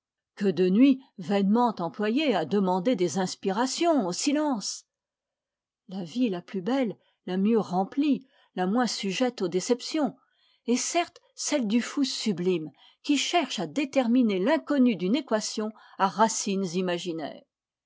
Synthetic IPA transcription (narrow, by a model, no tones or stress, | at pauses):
kəd̪ənɥivɛnmɑ̃t̪ɑ̃plwajead̪əmɑ̃d̪ed̪ezɛ̃spiʁasjɔ̃osilɑ̃ːs | lavilaplybɛlː | amjøʁɑ̃pli | lamwɛ̃syʒɛt̪od̪esɛpsjɔ̃ | esɛʁt̪ | sɛld̪yfusyblim | kʲiʃɛʁʃad̪et̪ɛʁminelɛ̃kɔnyd̪ynekwasjɔ̃ | aʁasinzimaʒinɛ̰ːʁ